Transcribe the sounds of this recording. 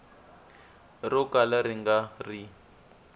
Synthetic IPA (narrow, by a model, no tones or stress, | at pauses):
rɔkalaɾiŋɡari